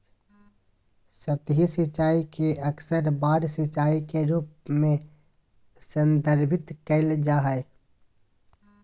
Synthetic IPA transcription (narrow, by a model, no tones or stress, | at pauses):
sət̪ɦisɪt͡ʃaːikiəksəɾbaːɽsɪt͡ʃaːikeɾuːp̚mẽ | sə̃nd̪əɾbʱɪt̪kəɪld͡ʒaːɦəe